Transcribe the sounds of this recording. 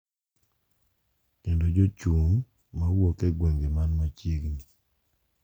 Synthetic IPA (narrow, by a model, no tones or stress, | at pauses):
kendod͡ʒot͡ʃumː | awokeɡwɛŋɡemanmat͡ʃjeɡni